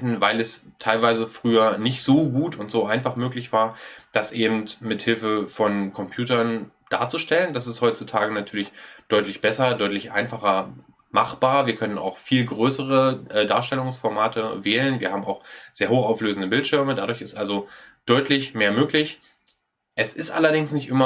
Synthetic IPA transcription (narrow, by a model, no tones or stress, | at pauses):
tn̩vaɪlɛstʰaɪlvaɪzəfʁ̥yːɐnɪçtz̥oːɡuːtʊntz̥oːʔaɪnfaχmøːklɪçv̥aːɐd̥asʔeːbm̩tmɪthɪlfəfɔnkʰɔmpʰj̥uːtɐn | d̥a̰ːɐt͡suʃtɛləndasɪsthɔʏtt͡sutʰaːɡənatʰyːɐlɪçd̥ɔʏtlɪçb̥ɛsɐdɔʏtlɪçʔa̰ɪnfaχɐ | maχb̥aːɐviːɐkʰœnəna̰ʊxfiːlɡʁøːsəʁəʔɛːda̰ːɐʃtɛlʊŋsfɔɐmaːtʰəvɛːlənviːɐhaːbm̩a̰ʊxz̥eːɐɦoːxaʊfløːzn̩dəbɪltʃɪɐmədadʊɐçɪstʔalzod̥ɔʏtlɪçmeːɐmøːklɪç | ʔɛsɪstʔa̰lɐdɪŋsnɪçtʔɪmɐ